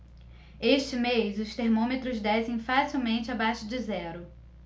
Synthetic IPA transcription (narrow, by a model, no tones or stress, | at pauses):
eʃt͡ʃɪmejzʊst̪eɾmõmet̪ɾʊzd̪ɛsẽj̃fasiwmẽnt͡ʃɪabaʃʊd͡ʒɪzɛɾʊ